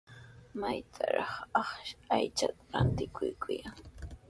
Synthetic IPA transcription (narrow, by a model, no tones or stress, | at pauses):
majt̪ʰaɾɑχɑχʃajt͡ʃat̪aɾant̪ɪkʰʊjkʰʊjaŋ